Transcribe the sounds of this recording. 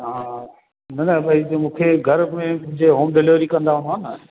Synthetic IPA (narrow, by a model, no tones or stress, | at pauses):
ɦãː | nɐnəbɐitmũːkʰeɡʱɐɾmẽmʊ̃ɦɪ̃ɲd͡ʑeɦõːmɖɪleʋɾikɐ̃nd̪aɦʊ̃nd̪ɦanə